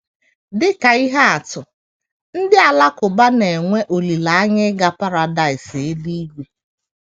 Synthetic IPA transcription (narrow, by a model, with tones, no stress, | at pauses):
dɪ˦ka˨i˦ɦe˦a˨tʊ˨ | n̩˦dɪ˦a˨la˦kʊ˨ba˦ne˨ŋʷe˦ʔo˨li˨la˨a˦ɲɪ˦ɡa˦pa˦ɾa˨da˦˨ɪ˨se˦di˦i˦ɡʷe˦